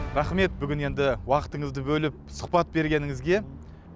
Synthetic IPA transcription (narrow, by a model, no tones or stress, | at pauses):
ɾɑχme̞t̪̚bʏɡʲɪne̞nd̪ɪwɑqə̥t̪əɴəzd̪əbɵlɪp̚sʊ̥qpɑt̪̚be̞ɾɡʲe̞nɪŋɪzɡʲe̞